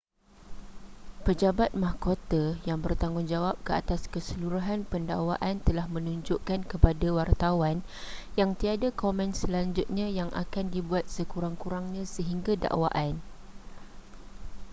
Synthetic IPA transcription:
pəd͡ʒabat̪̚mahkot̪ajaŋbərt̪aŋɡʊnd͡ʒawap̚kəa̰t̪askəsəluɾuɦanpənda̰waʔant̪əlahmə̃nũɲd͡ʒʊʔkankəpadawart̪awan | jaŋt̪iadakomɛ̃nsəlaɲd͡ʒʊt̪̚ɲãjaŋʔa̰kandibuat̪̚səkuɾaŋkuɾaŋɲãsəɦiŋɡada̰ʔwa̰ʔan

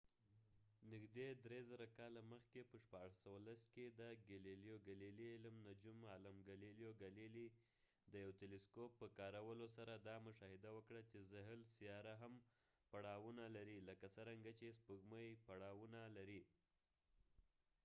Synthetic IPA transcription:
nɪɡd̪ed̪ɾezaɾakɑlaməxkepəʃpɑʐasəwalasked̪əɡaleljoɡaliliɪlmnad͡ʒumalamɡaliljoɡalili | d̪əjawt̪eleskopːəkɑɾawəlosaɾad̪ɑmʊʃɑhɪd̪awəkɽat͡ʃezɪɦlsijɑɾaɦam | paɽɑwunalaɾiləkasəɾaŋɡat͡ʃespəɡməjpaɽɑwunalaɾi

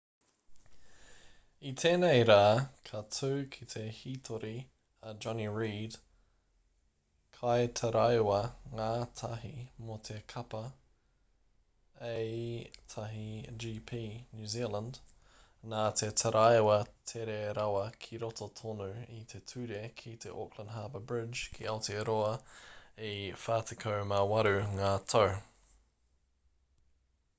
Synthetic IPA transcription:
it̪ʰeːnejɾaːkʰɐtʰʉːkʰit̪ʰe̞hiːt̪ʰoɾʔi | əd͡ʒɔniɹiːd̥ | kʰajt̪ʰɐɾajwɐŋaːt̪ʰɐɦimot̪ʰe̞kʰɐpɐ | ejt̪ʰɐɦid͡ʒiːpʰiːnjʉːzilə̃nd | naːtʰetʰəɾʔajwɐtʰeɾeɾawəkʰiɾɔtʰətʰɔnuit̪ʰetʰʉdekʰitʰḛʔokʰlə̃ndɦaːbəbɹɪd͡ʒkʰiɛlˠtʰiɾoə | efaːtʰɪkʰoʊmawaɾʉŋaːtʰow

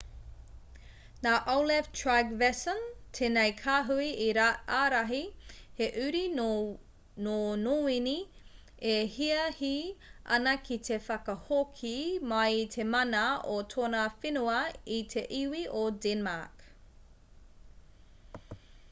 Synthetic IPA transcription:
naːʔolɛftʰɹaɡvɛsəntʰenejkʰaːɦuiiɾaaːɾɐɦiheʔʉɾi | nonoːini | ehiɐhiʔɐ̰nɐkʰitʰefɐkɐhokʰimɐjtʰemɐnɐotʰonafinuɐitʰeʔiwiʔodɛnmak

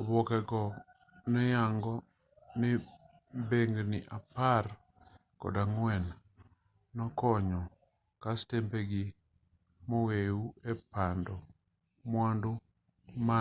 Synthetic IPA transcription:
ɔbɔkɛɡɔ | nɛjaŋɡɔ | nɪ | beŋɡnɪʔapar | kɔ̰daŋwɛnː | ɔkɔɲɔ | kastembeɡɪ | mɔweuɛpandɔ | mwandʊ | ma

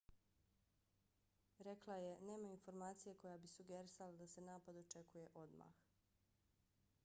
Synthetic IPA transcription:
ɾe̞klˠaje̞ne̞ːmainfo̞ɾmaːt̪sije̞ko̞jabisuɡeɾisalad̪ase̞naːpad̪ot͡ʃe̞kuje̞ʔo̞d̪ma̰ːx

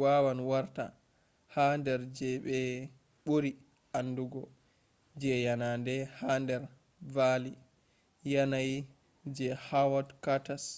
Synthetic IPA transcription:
wawanwaɾta̰ | handɛɾd͡ʒɛɓɛ | ɓoɾi | anːduɡɔ | d͡ʒɛjanandɛhandɛɾ | vali | janaj | d͡ʒɛhawɔdkatas

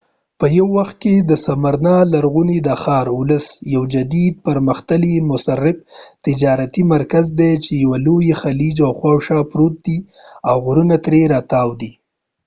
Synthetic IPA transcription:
pəjawːaxt̪̚ked̪əsamaɾnɑlaɾɣunid̪əxɑɾʊləsjawd͡ʒad̪id̪̚pəɾməxt̪əlimʊsarːɪb̚t̪ɪd͡ʒɑɾat̪imaɾkazd̪et͡ʃejawalojexalid͡ʒawxwawʃɑpɾot̪̚d̪i | awɣɾunat̪ɾeɾɑt̪ɑwd̪i

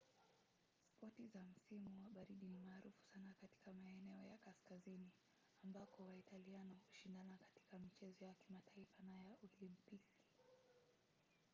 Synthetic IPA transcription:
spɔtizam̩simuwaɓaɾiɗinimaːɾufu̥sanakati̥kamaɛnɛɔjakaskazini | ambakɔwaitalianɔhuʃindanakḁti̥kamit͡ʃɛzɔjakimataifanajaulimpiki̥

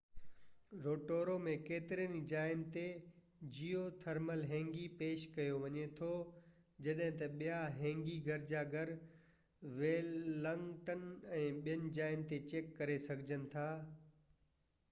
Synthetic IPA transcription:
ɾoːʈoːɾomẽkeːt̪ɪɾiənid͡ʑaːɪnɪt̪ed͡ʑijot̪ʰɐɾməlɦɛ̃ːŋɡipeːʃkɐjoʋɐɲet̪ʰo | d͡ʑɐɗɦɪ̃t̪ɐɓijaɦɛ̃ːŋɡiɡʱɐɾd͡ʑaːɡʱɐɾ | ʋeːəŋʈənɛ̃ːɓijənɪ̆d͡ʑaːɪnɪt̪et͡ɕeːkːɐɾesɐɡʱɪd͡ʑənɪ̆t̪ʰaː

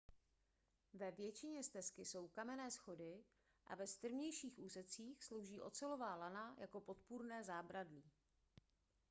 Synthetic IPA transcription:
vɛvjɛt͡ʃɪɲɛst̪ɛskɪso̞wkamɛnɛːsxo̞dɪ | ʔa̰vɛst̪r̩vɲɛjʃiːxʔuːsɛt͡siːxslo̞wʒiːʔo̞̰t͡sɛlo̞vaːlanajʔako̞po̞t̪puɾnɛːzaːbɾadliː

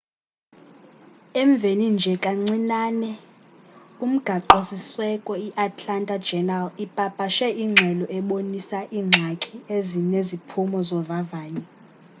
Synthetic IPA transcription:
ɛɱb̪vʱenind͡ʒʱɛkʼaŋ͡ǀinaːnɛ | um̩ɡ̥ʱaǃosiswɛkʼɔiʔatʼlantʼad͡ʒɛnalipʼapʼaʃɛʔiŋ͡ǁʱɛlɔɛɓonisaʔiːŋ͡ǀʱakʰʼiezinezipʰumɔzɔvavaːni

